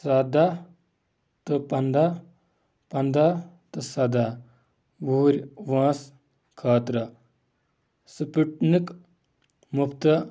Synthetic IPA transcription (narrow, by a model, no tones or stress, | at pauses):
sɐd̪a | t̪ɨpɐnd̪a | pɐnd̪a | t̪ɨsɐd̪a | ʋuːɾʲʋãːs | kʰaːt̪ɾɐ | sɨpiʈnik | mupʰt̪ɐ